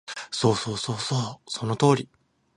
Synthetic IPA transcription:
so̞ːsoːsoːsoːso̞not̪o̞ːɾʲi

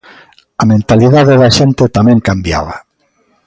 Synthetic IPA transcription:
amẽnt̪aliðaðeðaʃent̪et̪amɛ̃ŋkambja̰βa

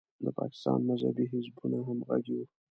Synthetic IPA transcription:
d̪əpɑ̰kɪ̥st̪ɑ̰nmazha̰biɦɪzbuneɦamɣa̰ɡiw

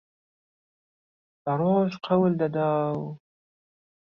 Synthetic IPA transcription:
paɾoʃqʰawəld̪ad̪ɑːw

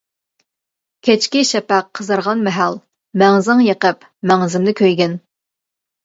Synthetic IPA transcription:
kʲʰet͡ʃkʲiʃɛpæqʰːəzəɾʁɑnmɛɦæl | mæŋzɪŋjeqəp | mæŋzɪmd̪ɪkʲʰøjɡʲɛn

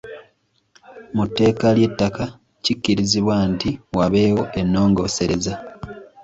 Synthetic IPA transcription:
mutːe̞ːkalje̞tːaka | cicːiɾiziβwantiwaβe̞ːwo̞ʔe̞nːo̞ːŋɡo̞ːse̞ɾe̞za

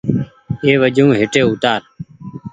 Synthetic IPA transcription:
eːʋəd͡ʒʱũːɦeːʈeːʊt̪aːɾ

